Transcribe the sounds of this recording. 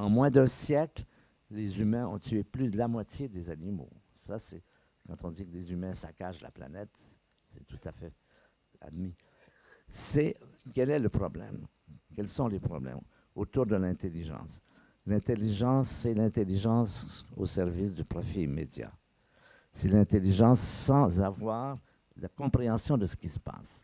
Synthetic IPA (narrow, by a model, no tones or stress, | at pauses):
ɑ̃mwɛ̃d̪ɛ̃sjɛkl | lezymɛ̃ɔ̃t̪yeplyd̪əlamwat̪jed̪ezanimo̰ | sasɛ | kɑ̃t̪ɔ̃d̪ikəlezymɛ̃sakaʃla̰pla̰nɛt̪ | sɛt̪u̥t̪afɛ | a̰d̪mi | sɛkʲɛlɛləpχɔblɛ̰m | kʲɛlsɔ̃lepχɔ̰blɛ̰m | ot̪uʁd̪əlɛ̃t̪eliʒɑ̰̃s | lɛ̃t̪eliʒɑ̃sːɛlɛ̃t̪eliʒɑ̃sosɛʁvis̬d̪ypʁɔfimed̪ja̰ | sɛlɛ̃t̪eliʒɑ̃sːɑ̃zavwaːʁ | lakɔ̃pχeɑ̃sjɔ̃d̪əsə̥kʲisə̥pa̰s